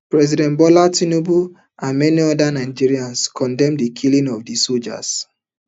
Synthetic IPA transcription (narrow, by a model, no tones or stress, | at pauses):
pɹɛzidɛ̃nbɔlatinobu | ʔãnmɛniɔdanaɪd͡ʒiɹiãnskʰɔ̃ndɛ̃mdikʰilĩŋɔvdisod͡ʒa̰s